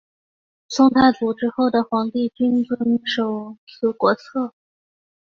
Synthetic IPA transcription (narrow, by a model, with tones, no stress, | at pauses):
sʊ˥ŋt̪ʰa˥˩ɪt͡su˨˩ʈ͡ʂɻ̩˥xo˥˩ʊd̪ə˩xwɑ˧˥ŋt̪i˥˩t͡ɕi˥nt͡swə˧˥nʂo˨˩ʊt͡sʰɹ̩˥˩kwɔ˧˥t͡sʰɤ˥˩